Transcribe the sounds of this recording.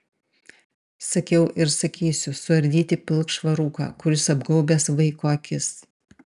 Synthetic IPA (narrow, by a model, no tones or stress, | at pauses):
sɐkʲɛʊʔɪɾsɐkʲiːsʲʊsʊɐɾʲd̪ʲiːt̪ʲɪpʲɪlˠkʃʋɐɾuːkɑ̰ːkʊɾʲɪsɐbɡɐʊbʲesʋɐɪkoːkʲɪs